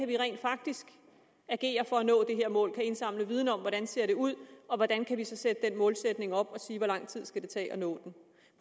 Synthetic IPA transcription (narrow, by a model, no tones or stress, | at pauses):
æʋiʁɛ̰ɪ̰nd̥fɑ̈ɡ̥̚d̥isɡ̥ | æɡ̥e̝̰ːɐfɒ̽ænɔ̰ːd̥e̝ɦe̝ɐ̰mɔ̰ːlkʰæe̝nsɑ̈m̰ləʋið̞ˠn̩ɒ̽mʋɒɾænse̝ɐ̰ɾ̥e̝uð̰ˠɒ̽ʋɒd̥ænkʰæʋisɒ̽sed̥əd̥enmɔ̽ːlsed̥ne̝ŋɒ̽b̥ɒ̽siːʋɒlɑ̈ŋ̰t͡sʰið̰ˠsɡ̥æd̥e̝t͡sʰɛ̰ːʔɒ̽nɔ̰ːd̥en